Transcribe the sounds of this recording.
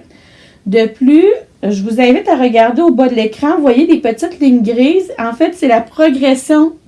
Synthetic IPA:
d̪əplyʒəvuzɛ̃vɪt̪aʁəɡaʁd̪eobɔd̪lekχɑ̃vwajed̪epət̪ɪt̪lɪɲɡʁiːzɑ̃fɛt̪sɛlapχɔɡʁɛsjɔ̃

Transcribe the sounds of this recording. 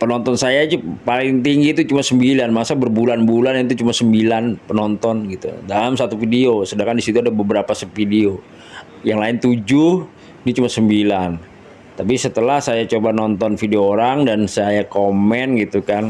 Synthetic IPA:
pənɔnt̪ɔnsajad͡ʒupalɪŋt̪iŋɡiːt̪ut͡ʃumasəmbilanmasabərbulanbulant̪̬ut͡ʃumasəmbilanpənɔnt̪ɔnɡit̪ṵdalamsat̪ufideosədaŋkandisit̪uadabəbəɾapasəpideo | jaŋlaɪnt̪ud͡ʒʊh | nit͡ʃumasəmbilan | t̪apisət̪əlahsajat͡ʃobanɔnt̪ɔnfideoːɾaŋdansajakomɛnɡit̪ukan

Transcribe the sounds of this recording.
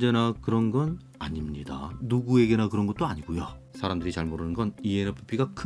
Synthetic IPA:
d͡ʑe̞nakɯɾʌnɡʌn | aɲimɲida̰nuɡue̞ɡe̞nakɯɾʌnɡʌt̚t͈oaɲiɡujo | sʰaɾamdɯɾit͡ɕaɭmoɾɯnɯnɡʌnienepʰɯ̥pʰiɡakʰ

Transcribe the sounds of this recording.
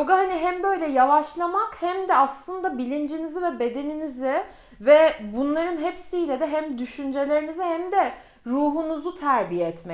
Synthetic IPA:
oɡaɦaniɦæmbø̞jlʲɛjavˠaʃlˠamakhæmd̪ɛaslˠɯnd̪abilʲind͡ʒinizivɛbe̞d̪e̞ninizɪ | vɛbunlˠaɾɯnɦepsijlʲɛd̪ɛɦæmd̪yʃynd͡ʒe̞lʲe̞ɾinizihæmd̪ɛ | ɾuːɦunuzut̪ʰæɾbijɛɛt̪mɛ

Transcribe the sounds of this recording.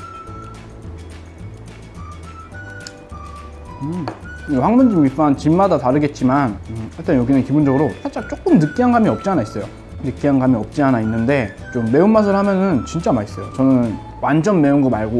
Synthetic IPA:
ɯeɸwaŋmund͡ʑimɡip͈ant͡ɕinmadataɾɯɡe̞t̚t͡ɕ͈imanɯɸaɭtʰenjoɡinɯnkibond͡ʑʌɡɯɾotʰat͡ɕ͈ak̚t͡ɕ͈ok͈ɯmnɯk͈iɦanɡamiʌp̚t͡ɕ͈ianais͈ʌjo | nɯk͈iɦanɡamiʌp̚t͡ɕ͈ianainːɯnde̞ | t͡ɕomːe̞unmas̬ʰɯɭhamjʌnɯnt͡ɕint͡ɕ͈amais͈ʌjot͡ɕʌnɯn | wand͡ʑʌnme̞unɡomaɭɡo

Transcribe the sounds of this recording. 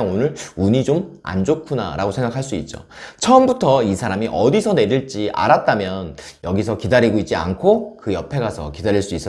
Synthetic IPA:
ŋonɯɾuɲid͡ʑoma̰nd͡ʑokʰuna̰ɾaɡosʰe̞ŋɡakʰaɭs͈uit̚t͡ɕ͈o̰t͡ɕʰʌmbutʰʌisʰaɾamiʔʌdisʰʌne̞ɾiɭt͡ɕ͈iʔa̰ɾat̚t͈amjʌnjʌɡisʰʌkidaɾiɡoit̚t͡ɕia̰nkʰokɯjʌpʰe̞ɡasʰʌkidaɾiɭs͈uis͈ʌ

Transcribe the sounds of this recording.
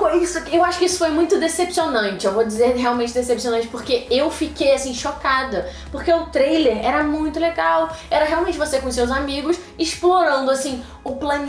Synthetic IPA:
koisʊɐkewaʃʊ̥kɪisʊ̥fojmũj̃t̪ʊd̪esepsionɐ̃nt͡ʃɪewvod͡ʒizeɾɦeawmẽnt͡ʃɪd̪esepsionɐ̃nt͡ʃɪ̥poɾkeewfikejasĩʃokad̪ɐ | poɾkeʊt̪ɾejleɾɛɾɐmũj̃t̪ʊleɡawɛɾɐɦeawmẽnt͡ʃɪvosekõʊs̬ewzamiɡʊs | ɪʃploɾɐ̃nd̪ʊasĩ | ʊplɐ̃n

